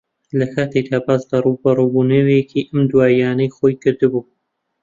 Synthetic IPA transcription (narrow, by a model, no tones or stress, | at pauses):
lɐkʰaːt̪ʰejd̪aːbaːsd̪arubɐrubunɐwekʰiʔɐmd̪waːjaːnɐjxoːjkɨɾd̪ɨbuː